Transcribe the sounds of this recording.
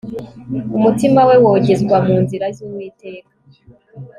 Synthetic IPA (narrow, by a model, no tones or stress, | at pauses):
umutimawe̞woɟezɡwamuːnziɾazuːmwiːte̞ːkḁ